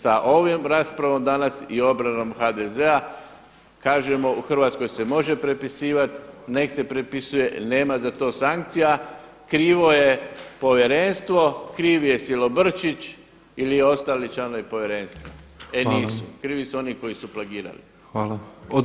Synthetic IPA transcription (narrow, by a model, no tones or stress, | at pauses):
saʔo̞ʋimɾaːspɾaʋo̞md̪anasio̞bɾano̞mxad̪ezea | kaːʒemo̞uxr̩ʋaːt̪sko̞jse̞mo̞ʒe̞pɾe̞pisiːʋat̪ne̞kse̞pɾepisuje̞ne̞ːmazat̪o̞ːsaŋk̚t̪sija | kɾiːʋo̞je̞po̞ʋje̞ɾe̞nst̪ʋo̞kɾiːʋije̞silo̞br̩t͡ʃit͡ʃ | ilieo̞st̪aːlit͡ʃanojipo̞ʋje̞ɾe̞nst̪ʋoe̞nniːsukɾiːʋisuo̞niko̞jisuplaɡiːɾa̰lḭ | xa